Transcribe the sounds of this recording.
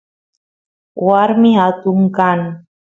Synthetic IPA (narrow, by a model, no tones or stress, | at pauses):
warmiɦat̪uŋkan